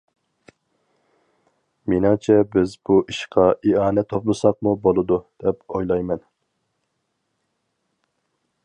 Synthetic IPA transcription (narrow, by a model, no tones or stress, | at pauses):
menɨŋt͡ʃʰɛbɪzbuʔiʃqʰɑʔiɑːnɛt̪ʰːoplˠɨsɑq̚mubolˠɨd̪ud̪̥ɛpojlˠɑjmɛn